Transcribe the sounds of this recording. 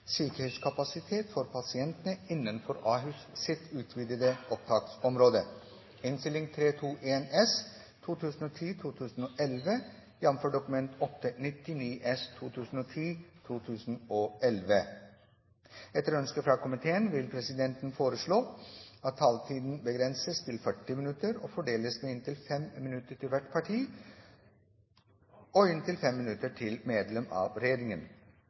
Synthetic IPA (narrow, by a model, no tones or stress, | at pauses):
syːkəɾhɛskʰɑpɑsɪt̪ʰeːt̪fɔɾpʰɑsɪɛnt̪ənəɪnːənfɔɾɑːɦʉssɪt̪ʰʉːt̪ʰʋiːd̪əd̪əɔp̚t̪ʰɑːksɔmɾoːd̪ə | ɪnst̪ɪlɪŋt̪ʰɾeːt̪ʰuːʔeːnɛs | t̪ʰuːt̪ʰʉːsn̩ɔt̪ʰiːt̪ʰuːt̪ʰʉːsn̩oːʔɛlʋə | jɛnmføːɖʊkʉmɛnt̪ʰɔt̪ːənɪt̪ːɪniːʔɛst̪ʰuːt̪ʰʉːsn̩ɔːt̪ʰiːt̪ʰuːt̪ʰʉːsn̩ɔɛlʋə | ɛt̪ːəɾœnskəfɾɑkʰʊmɪt̪ʰeːənʋɪlpʰɾɛsɪd̪ɛnt̪nfoːɾəʂɭoːɑt̪ʰːɑːlt̪ʰiːd̪n̩bəɡɾɛnsəst̪ʰɪlfœʈːɪmɪnʉt̪əɾɔ̰fɔɖeːləsmeːɪnt̪ɪlfɛmmɪnʉt̪əʈʰɪlʋæʈpʰɑʈʰiː | ɔɪnt̪ɪlfɛmːɪnʉt̪əʈʰɪlmeːd̪lɛmɑ̰ːʋɾɛjeːɾɪŋən